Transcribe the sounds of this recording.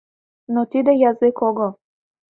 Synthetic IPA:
nɔt̪id̪ɛjazekɔɡɔ

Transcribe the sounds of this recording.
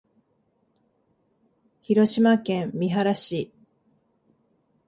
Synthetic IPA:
çiɾo̞ɕimakẽ̞mːʲiɦaɾaɕi

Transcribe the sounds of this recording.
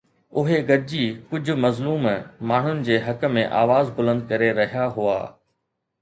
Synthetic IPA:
ʊɦeɡɐɾd͡ʑikʊd͡ʑʱʊ̆mɐzluːmmaːɳ̤ʊnɪ̆d͡ʑeːɦɐk̆mẽʔa̰ːʋaːzbʊlə̃nd̪̚kɐɾeɾɐɦijaɦua̰ː

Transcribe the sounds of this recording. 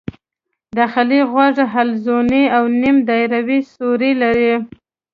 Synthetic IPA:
d̪axɪliɣwaʐaɦalzoniawnimd̪ajɾawisoɾilaɾi

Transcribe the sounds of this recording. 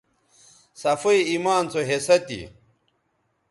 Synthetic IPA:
sɐfuiimaːnt͡sʰoɦesɐt̪ḭ

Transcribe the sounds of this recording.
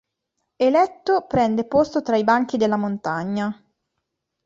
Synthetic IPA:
elɛt̪ːopɾɛnd̪epost̪ot̪ɾaibaŋk̟id̪elːamont̪aɲːa

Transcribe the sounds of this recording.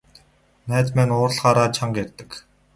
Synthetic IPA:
næːt̪mænʊːrɮʁaːɾaːt͡ɕʰaŋɡærʲt̪ə̥̆k

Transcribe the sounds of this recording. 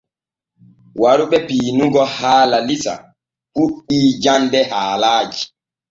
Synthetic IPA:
waɾuɓɛpiːnuɡɔhaːlalisa̰ | ɓuɗːiːd͡ʒandɛhaːlaːd͡ʒi

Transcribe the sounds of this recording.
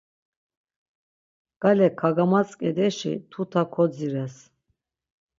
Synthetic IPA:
ɡ̥alɛkʰaɡamat͡sʼkʼɛd̪ɛʃḭt̪ʰut̪ʰakʰɔd͡ziɾɛs

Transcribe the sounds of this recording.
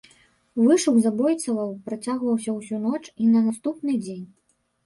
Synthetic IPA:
vɨʂuɡzabɔjt̪sɐvɐwpɾat͡sʲaɣvɐwsʲɐwsʲunɔt͡ʂinɐnast̪upnɨd͡zʲenʲ

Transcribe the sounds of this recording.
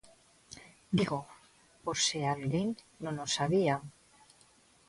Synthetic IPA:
d̪iɣo | poɾsealɣiŋ | nõnosaβia

